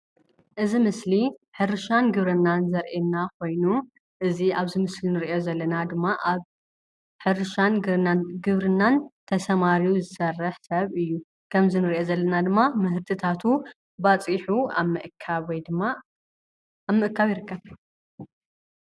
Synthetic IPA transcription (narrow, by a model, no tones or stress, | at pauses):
ʔɨzimɨsliħɨɾɨʃanɡɨβɾɨnːanzɐɾʔenːakʰo̞jnu | ʔɨziaβzɨmɨslinɨɾʔo̞zɐlːɐnad̪ɨmːaʔaβ | ħɨɾɨʃanɡɨβɾɨnːant̪ʰɐsɐmaɾiuzɨsɐrːɐħsɐβɨjːu | kʰɐmzɨnɨɾʔjo̞zɐlːɐnad̪ɨmːamɨɦɨɾt̪ʰɨt̪ʰat̪ʰu | bat͡sʼiħuamɨʔkʰːawɔjd̪ɨmːa | amːɨʔɨkːaβjɪɾɨkːɐβ